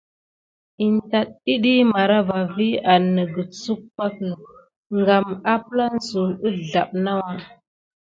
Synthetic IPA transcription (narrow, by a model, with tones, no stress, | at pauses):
i˨nta˨ɗi˦ɗi˦ma˨ɾa˦va˨vi˦a˨nːə˨ɡə˨t͡su˦k̚pa˦kə˨ | ŋɡa˨ma˦pla˦n˦su˨ə˦ɮa˨ɓ̚na˦wa˦